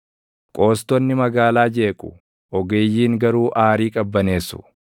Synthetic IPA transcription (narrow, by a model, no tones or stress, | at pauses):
kʼo̞ːst̪ɔnːɪmɐɡaːlaːd͡ʒe̞ːkʼʊ̥ | ɔɡeːjːiːŋɡɐɾuːʔaːɾiːkʼɐbːɐne̞ːsːʊ̰